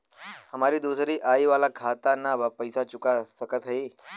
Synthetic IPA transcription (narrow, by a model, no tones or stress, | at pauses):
həmaɾiːd̪usɾiːʔajʋalakʰat̪anːabapəjsat͡ʃukasəkət̪ʰaɦi